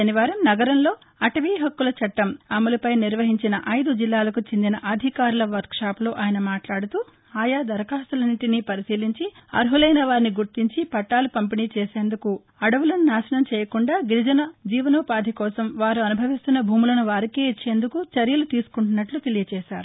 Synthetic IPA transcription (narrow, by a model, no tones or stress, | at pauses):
ʃɐniʋaːɾɐmnɐɡɐɾɐmlo̞ː | ɐʈɐʋiːɦɐkːulɐt͡ʃɐʈːɐmɐmulɐpɐjniɾʋɐɦiɲt͡ʃinɐʔɐjd̪ud͡ʒilːaːlɐkut͡ʃend̪inɐʔɐd̪ʱikaːɾulɐʋɐɾt̪̚ʂaːploːʔaːjɐnɐmaːʈlaːɽut̪uː | aːjaːd̪ɐɾkaːsulɐniʈinipɐɾisiːliɲt͡ʃiɐ̰ɾɦulɐjnɐʋaːɾiniɡuɾt̪iɲt͡ʃipɐʈːaːlupɐmpiniːt͡ʃɛːseːnd̪uku | ɐɽɐʋulɐnunaːʃɐnɐmt͡ʃɛːjɐkuɳɖaːɡiɾid͡ʒɐnɐd͡ʒiːʋɐnɔːpaːd̪ʱikɔːsɐmʋaːɾuɐnubʱɐʋist̪unːɐbʱuːmulɐnuʋaːɾikeːit͡ʃːe̞ːnd̪ukut͡ʃɐɾjɐlut̪iːsu̥kuɳʈunːɐʈlut̪e̞lijɐt͡ʃɛːʃaːɾu